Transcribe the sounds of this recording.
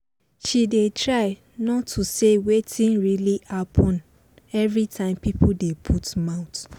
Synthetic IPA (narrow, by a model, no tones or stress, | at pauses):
ʃidetʰɹaɪ | nɔtʰːusewetʰĩnɹiliʔapʰɔ̃n | ɛvɹitʰãɪ̃mpipʰudepʰutmãʊ̃t